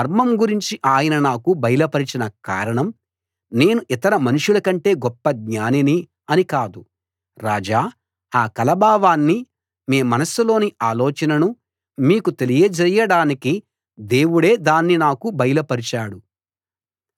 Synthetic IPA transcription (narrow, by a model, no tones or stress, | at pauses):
ɐɾmɐmɡuɾiɲt͡ʃiʔaːjɐnɐnaːkubɐjɐlɐpɐɾit͡ʃinɐka̰ːɾɐɳɐm | ne̞ːnuʔit̪ɐɾɐmɐnuʂulɐkɐɳʈe̞ːɡɔpːɐɡɲaːnini | ɐnikaːd̪u | ɾaːd͡ʒaː | aːkɐlɐbaːʋaːnːi | miːmɐnɐsulo̞ːniʔaːloːt͡ʃɐnɐnu | miːkut̪e̞lijɐd͡ʒɐjɐɽaːniki | d̪e̞ːwuɽe̞ːd̪aːnːinaːkubɐjlɐpɐɾit͡ʃaːɽu